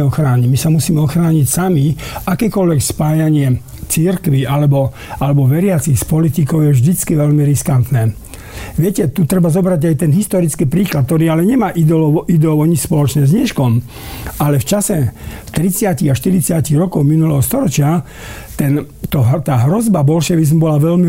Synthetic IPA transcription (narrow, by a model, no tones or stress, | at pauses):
ɔxɾaːɲimisamusiːmɛɔxɾaːɲicsamiakɛːkɔʎʋɛkspaːjaɲɪɛ | t͡siɾkʋialɛbɔ | alɛbɔʋɛɾɪat͡sixspɔlit̪ikɔʊjɛvʒd̪it͡skiʋɛʎmiɾiskant̪nɛː | ʋɪɛcɛt̪ut̪ɾɛbazɔbɾaɟajt̪ɛnɦist̪ɔɾit͡skiːpɾiːklat̪̚t̪ɔɾiːalɛɲɛmaːʔid̪ɛɔid̪ɛɔʊɔɲispɔlɔt͡ʃɲɛzɲɛʃkɔm | alɛft͡ʃasɛft̪ɾit͡sɪaciɣaʃt̪iɾit͡sɪaciɣɾɔkɔʊminulɛɦɔst̪ɔɾɔt͡ʃɪa | t̪ɛn | t̪ɔɦt̪aːɦɾɔzbabɔlʃɛʋizmubɔlaʋɛʎmi